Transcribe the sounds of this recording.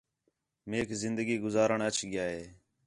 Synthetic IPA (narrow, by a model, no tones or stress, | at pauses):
meːkzɪnd̪əɡiːɡʊzaːɾəɳət͡ʃʰɠɪjaːɦeː